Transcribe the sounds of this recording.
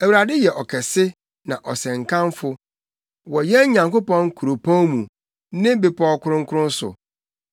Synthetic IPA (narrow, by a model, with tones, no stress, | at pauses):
æ˨wuɾa˨dɪ˦jɛ˨ʔɔ˨kʰɛ˨sɪ˦ | nã˨ʔɔ˨sɛ̃˨ŋ˨kʰã˦nfʊ˨ | wɔ˨jɛ˦ɲã˨ŋko˦pɔ̃˦ŋkʰu˨ɾo˨pʰɔ̃˦nmũ˨ | nɪ̃˦be˨pʰɔ˦kʰʊ˦ɾʊ̃˦ŋkʰʊ˦ɾʊ̃˦n˦sʊ̰˨